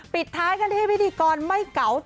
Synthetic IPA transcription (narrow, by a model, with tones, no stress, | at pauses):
pi˨˩t̪ʰːaː˦˥jka˧nt̪ʰiː˥˩jwt̪ʰiː˧kɔː˧nma˥˩jka˩˦wt